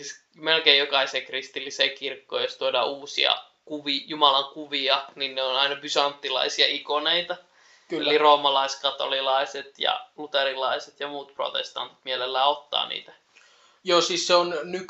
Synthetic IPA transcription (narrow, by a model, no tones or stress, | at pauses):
is | melkeijjokɑisekrist̪ilːiseːkirkːo̰ːjost̪uodɑ̰ːuːsḭɑ̰ | kuʋijumɑlɑŋkuʋiɑninneonɑinɑbysɑnt̪ːilɑ̰isiɑikoneit̪ɑ | kḛlliroːmɑlɑiskɑt̪o̰lilɑiset̪jɑ̰lut̪erilɑiset̪jɑmuːt̪̚pro̰t̪ḛst̪ɑ̰nt̪i̥t̪mielelːæːot̪ːɑ̰ːnḭːt̪æ | joːsiːsseonnyk